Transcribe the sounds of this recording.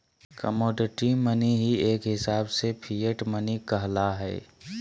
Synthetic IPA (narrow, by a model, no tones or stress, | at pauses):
kəmɔːɖɪʈiməniɦieːkɦɪsaːbsepʰiːəʈmənikəɦlaɦɛ̰ː